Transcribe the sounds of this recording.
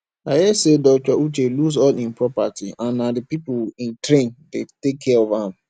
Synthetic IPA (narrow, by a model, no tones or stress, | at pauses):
ajesedɔt͡ʃɔut͡ʃeluzɔlĩnpɹɔpatiʔãnːadɪpipʊlitɾẽndetekʰːɛɔvam̩